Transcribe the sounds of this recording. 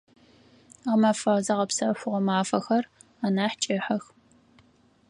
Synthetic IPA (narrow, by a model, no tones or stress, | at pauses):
ʁəmɐfɐʁzɐʁɐpsɐɕʷʊʁɐmaːfɐxɐr | ɐnaːħt͡ʃʼɪħɐx